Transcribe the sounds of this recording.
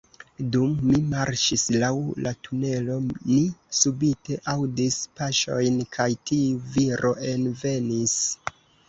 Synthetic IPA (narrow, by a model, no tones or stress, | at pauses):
dumːimaɾʃislawlʔatune̞lo̞nisubite̞ʔawdispaʃo̞̰jnkʰajtiuviɾʔo̞ʔe̞nve̞nis